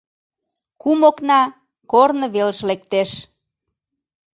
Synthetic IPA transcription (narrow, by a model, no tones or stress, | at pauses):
kumoknɑ | kornə̆βeləʃlek̚t̪eʃ